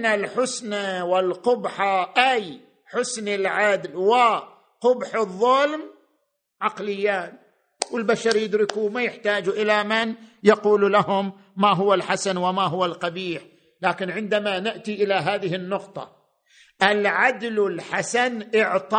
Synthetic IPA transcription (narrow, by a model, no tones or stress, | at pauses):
nalħʊsnawɪlqʊbħaʔaj | ħʊsnɪlʕad̪lwɪ | qʊbħɨðˤːʊlm | ʕɑqlɪjːaːn | wɪlbaʃɑɾjɪd̪ɾɪkumajɪħt̪aːd͡ʒuʔɪlamɪnjɑquːllahʊmː | aɦʊwːalħasanwɪmaɦʊwːalqɑbiːħ | laːkɪnʕɪnd̪amanɪʔt̪iʔɪlaɦaːðɪhɪnːʊqt̪ˤɑ̰ | ʔɪlʕad̪lɪlħasanʔɪʕt̪ˤɑ